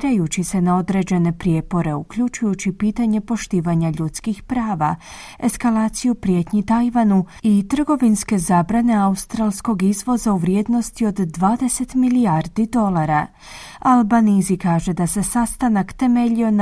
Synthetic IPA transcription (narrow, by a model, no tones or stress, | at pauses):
ɾajut͡ɕise̞nao̞d̪ɾe̞d͡ʑe̞ne̞pɾje̞po̞ɾe̞ukʎut͡ʃujut͡ɕipiːt̪aɲe̞po̞ʃt̪iːʋaɲaʎut̪skixpɾaːʋa | e̞skalaːt̪sijupɾje̞t̪ɲit̪ajʋanuit̪r̩ɡo̞ʋinske̞zaːbɾane̞aust̪ɾalˠsko̞ɡizʋo̞zauʋɾjeːd̪no̞st̪io̞d̪ːʋaːd̪e̞se̞t̪miliaɾd̪id̪o̞lˠaɾa | albanizikaːʒe̞d̪ase̞sast̪anakt̪e̞me̞ʎio̞n